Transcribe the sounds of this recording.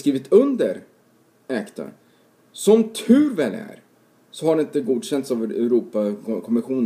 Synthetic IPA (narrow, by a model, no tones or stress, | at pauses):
skɾiːvɪt̪ʰɵnd̪əɾ | ɛkt̪ʰə̰ɾ | sɔmt̪ʰʉ̟ːɾvɛːlæ̰ɾ | sɔhaɖɛɪnt̪əɡuːd̪ɕɛnt̪savɛɾuːpakʰɔmɪɧuːn